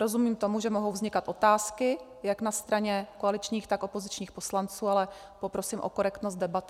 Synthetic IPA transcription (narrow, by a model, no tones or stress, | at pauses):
ɾo̞zumiːmt̪o̞muʒɛmo̞ɦowvzɲɪkat̪ʔo̞t̪aːskɪ | jaknast̪ɾaɲɛkoalɪt͡ʃɲiːxt̪ako̞po̞zɪt͡ʃɲiːxpo̞slant͡suːalɛ | po̞pɾo̞siːmʔo̰ko̞ɾɛkt̪nost̪dɛbat̪ɪ